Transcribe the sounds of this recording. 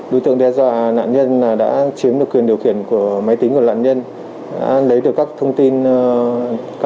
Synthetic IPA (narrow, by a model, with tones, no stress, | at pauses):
ɗo̰˧˦t̪ɨ̰˧˨əŋɗɛ˧zwa̰ː˧˨na̰ː˧˨nɲə˧nlaː˨˩ɗa̰ː˧˥t͡ɕi˨˦əmɗɨ˨˩əkwi˨˩ənɗi˨˩əwxi˧˩ənku˧˩əma˨˦jt̪ï˨˦ŋku˧˩wa̰ː˧˨nɲə˧n | ɗa̰ː˧˥lə˨˦jɗɨ˨˩əkːaː˦˥k̚t̪ʰə˧wŋ͡mt̪i˧n | k